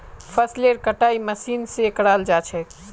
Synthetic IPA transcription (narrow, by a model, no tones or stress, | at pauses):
pʰəsleɾkəʈaiməsinsekəɽald͡ʒat͡ʃʰɛ